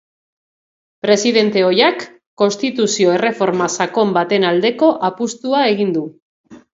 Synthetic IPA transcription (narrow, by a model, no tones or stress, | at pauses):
pɾe̞siðe̞nt̪e̞o̞jakː | o̞nst̪it̪usio̞e̞re̞fo̞ɾmasako̞mbat̪e̞nald̪e̞ko̞ʔapust̪uae̞ɣ̞ind̪u